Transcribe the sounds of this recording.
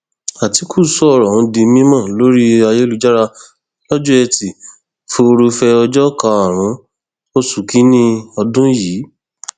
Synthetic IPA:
a˨ti˨˦kʰu˦˨sɔ˦ɔ˦˨ɾɔ˨ũ˨˧˦di˧mĩ˦mã˦˨lo˦ɾi˦a˧je˦lu˧d͡ʒa˦ɾa˧ | lɔ˦d͡ʒũ˦ɛ˧ti˨ | fo˧ɾu˧fɛ˧ɔ˧d͡ʒɔ˦ka˧a˨ɾ̃ũ˨˦ | o˦su˨ki˨˦nĩ˦ɔ˧dũ˦jiː˨˦

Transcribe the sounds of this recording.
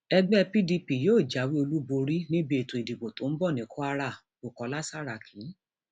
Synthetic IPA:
ɛ˧ɡ͡bɛ˦˧pi˦di˧pi˨joː˦˨d͡ʒa˨˦wi˦o˧lu˦bo˧ɾi˦nĩ˦be˧e˨tũ˨i˨di˨ɡ͡bo˨tõ˨˦n̩˦bɔ˦˨nĩ˨˦kʰɔ˦a˧ɾa˦˨ | o˨kɔ˨˦la˦sa˦ɾa˨kʰĩ˨˦

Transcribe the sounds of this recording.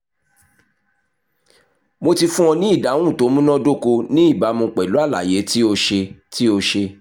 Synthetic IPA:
mo˧ti˧fũ˦ɔ̃˧nĩ˦i˦˨dã˨˦ũ˦˨to˨˦mũ˦nɔ̃˦do˦˨ko˧nĩ˦i˦˨ba˨˦mũ˧k͡pɛ˨lu˨˦a˦˨la̰˨je˨˦ti˦o˧ʃe˧ti˦o˧ʃe˧

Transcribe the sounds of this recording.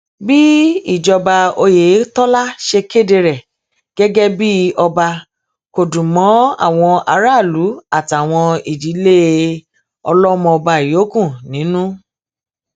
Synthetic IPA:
bi˦i˦˨d͡ʒɔ˧ba˧o˧je˨˦tɔ˦la˦ʃe˧ke˦˨de˧ɾɛ˨ | ɡ̥ɛ˦ɡɛ˦bi˦ɔ˧ba˧ | ko˨dũ˨mɔ̃˨˦a̰˦˨w̃ɔ̃˧a˧ɾa˦˨lu˨˦a˦˨ta˨w̃ɔ̃˧i˨di˨˦le˦ | ɔ̰˧lɔ˦mɔ̃˧ɔ˧ba˧i˨jo˨˦kũ˦˨nĩ˨˦nũ˦

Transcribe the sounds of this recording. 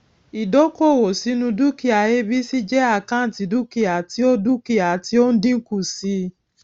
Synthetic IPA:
i˨do˨˦ko˦˨wo˨si˨˦nũ˧du˦ki˦a˧˨je˦bi˦si˦d͡ʒɛ˦a˦˨kã˦n̩˨˦ti˨˧˦du˦ki˦˨a˨ti˦o˦du˦ki˦˨a˨˦ti˦o˦n̩˦dĩ˦ŋ̩˦ku˦˨si˨˦

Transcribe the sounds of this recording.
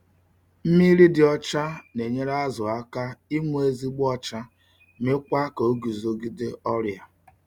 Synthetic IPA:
m̩˦mi˦ɾi˦dɪ˨ɔ˦t͡ʃa˦ne˨ɲe˦ɾa˦a˦zʊ˨a˦ka˦i˦ŋʷu˦e˦zi˦ɡ͡bɔ˦t͡ʃa˦ | me˦kʷa˦ka˨o˦ɡu˨zo˨ɡi˦de˦ɔ˦ɾja˨

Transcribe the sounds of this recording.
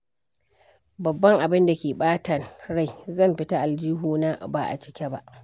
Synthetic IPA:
bɐ˨bːɐ˦ŋʔa˨bɪ˦nda˨kʲeː˨ɓaː˦tɐ˨nɽa˦˨jzɐ˦˨mɸɪ˦ta˦ʔa˨ld͡ʒiː˦ɦuː˦na˦baː˨ʔa̰˨t͡ʃɪ̥˦kʲɛ˦ba̰˦ʔ

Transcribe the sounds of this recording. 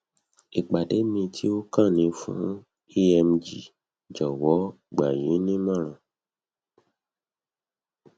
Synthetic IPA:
i˨ɡ͡ba˨de˨˦mĩ˧tʰi˦o˦kã˦˨nĩ˧˦fṵ̃˦ | i˦ɛ˧md͡ʒi˨ | d͡ʒɔ˨wɔ˨˦ | ɡ͡ba˨jĩ˨˦nĩ˦mã˦˨ɾ̃ã˧˨

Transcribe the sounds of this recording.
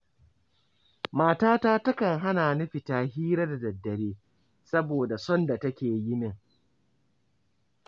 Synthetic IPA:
maː˨taː˦taː˦tɐ˦kɐ˨ŋɦa˦naː˨nʊ˦ɸi˨taː˨hiː˦ɾa˦da˨dɐ˨dːɐ˨beː˦ | sɐ˦boː˨da˨sɔ˦nda˨tɐ˦kʲeː˨ji˦nɪ˦˨ŋ

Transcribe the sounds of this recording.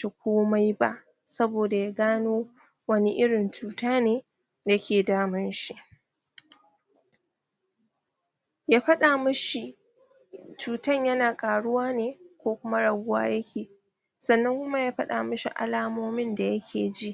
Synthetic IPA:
ta˨kʷoː˦ma˦jba̰˦ʔ | sɐ˦boː˨da˨jaː˦ɡaː˦noː˦ | wɐ˦ni˦ʔɪ˦ɽɪ˨nt͡ʃuː˦taː˦neː˨ | ja˦kʲeː˨daː˦mɪ˦nʃi˦ʔ | jaː˦ɸɐ˦ɗa˨mʊ˦ʃi˨ | t͡ʃuː˨tɐ˦˨ɲjɐ˦naː˨kʼaː˨ɽʊ˦waː˦neː˨kʷoː˦kʷʊ˦ma˦ɽɐ˨ɡʷʊ˦wa̰ː˦jɐ˦kʲeː˨ | sɐ˨nːɐ˦ŋkʷʊ˦ma˦jaː˦ɸɐ˦ɗa̰ː˨mʊ˦ʃi˨ʔa̰˨laː˦moː˦mɪ˦nda˨jɐ˦kʲʰeː˨d͡ʒi˦ʔ

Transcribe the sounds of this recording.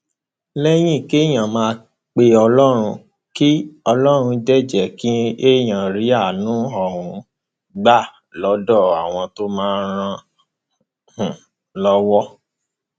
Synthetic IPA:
lɛ˦j̃ĩ˦˨ke˦˨j̃ã˨mãː˧ | k͡pe˧ɔ˧lɔ˦ɾ̃ũ˧ | ki˦ɔ˧lɔ˦ɾ̃ũ˧d͡ʒɛ˦˨d͡ʒɛ˨ki˦e˦˨j̃ã˨ɾi˨˦a˦˨nũ˨˦ɔ˦˨ɦũ˨ | ɡ͡ba˦˨ | lɔ˨˦dɔ˦˨a˨w̃ɔ̃˧to˦mãː˦˧˦ɾ̃ã˧ | hũ˨ | lɔ˦wɔ˦

